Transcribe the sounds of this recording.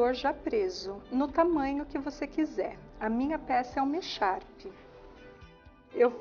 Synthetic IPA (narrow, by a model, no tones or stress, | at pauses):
oɾʒapɾezʊnʊt̪amɐ̃ɲʊkɪvosekizɛɾɐmĩɲɐpɛsɐɛʊmeʃaɾpɪ | ew